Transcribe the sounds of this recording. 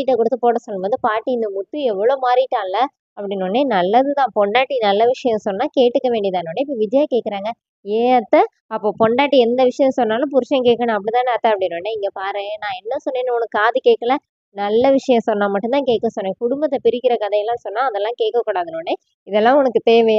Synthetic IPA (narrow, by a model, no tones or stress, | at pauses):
iʈːɐkʊɽɯt̪ːɯpoːɽɐsɔnːɯmbɐnd̪ɯpaːʈːiɪnd̪ɐmʊt̪ːɯɛʋːɐɭoːmaːɾiʈːãːlːɐ | ɐpːɐɽɪnʋɔɳːẽːnɐlːɐðɯt̪ãːpɔɳɖaːʈːinɐlːɐʋɪʂɐjɐ̃sɔnːãːkeːʈːɯkːɐʋeːɳɖɪjɐðaːnɔɳɖeɪpːoʋɪd͡ʒɐjãkeːʈkːɪɾaːŋɡɐ | eːɐt̪ːɐ | ɐpːoːpɔɳɖaːʈːiɛnd̪ɐʋɪʂɐjɐ̃sɔnːaːlɐ̃p̬ʊɾʊt͡ʃːɐ̃keːkːɐɳʊ̃ɐp̬ːɐɽit̪ãːnɐt̪ːɐɐpːɐɽɪnʋɐɳɖẽɪŋɡepaːɾɯ̃nãːɛnːɐsɔnːẽːnːɯɔnɐkːaːðikeːʈkːɐlɐ | nɐlːɐʋɪʂɐjɐ̃sɔnːãːmɐʈːɯnt̪aːkeːʈkːɐ̃sɔnːẽːkʊɽʊmbɐt̪̬ːɐpɪɾɪkːɪɾɐkɐðɐjɐlːãːsɔnːãːɐðɛlːãːkeːʈkːɐkːʊɽaːðɯnɔnːeː | ɪðɛlːãːɔnɐkːɯt̪eːʋɐja